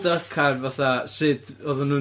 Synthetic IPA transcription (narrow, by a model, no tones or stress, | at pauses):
dəkʰarvaθasɨd̥ɔðʊnu